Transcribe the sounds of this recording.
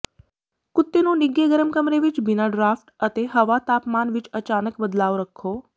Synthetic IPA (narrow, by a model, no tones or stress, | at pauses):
kʊt̪ːenũnɪɡeɡəɾəmkəmɾeʋɪt͡ʃbɪnaɖɾaːfʈɐt̪eɦɐʋat̪aːpmaːnʋɪt͡ʃɐt͡ʃaːnəkbəd̪laːʋoɾəkʰoː